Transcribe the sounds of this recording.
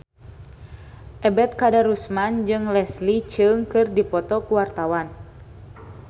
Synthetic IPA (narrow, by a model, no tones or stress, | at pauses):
ʔɛbɛt̪̚kadaɾusmand͡ʒɨŋlɛslit͡ʃɨŋkɨrdipɔt̪ɔkuwart̪awan